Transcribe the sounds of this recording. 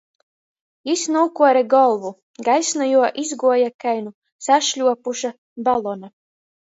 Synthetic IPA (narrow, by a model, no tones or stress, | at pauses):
isnuːkuɔɾɛɡɔlˠvu | ɡajsnɔjuɔʔizɡuɔjakajnu | saʃlʲuɔpuʃa | balˠɔna